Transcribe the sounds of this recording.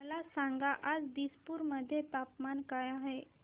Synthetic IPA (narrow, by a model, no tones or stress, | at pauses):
lasãŋɡaʔad͡zd̪ispuɾməd̪ʱːjet̪apmankajaɦe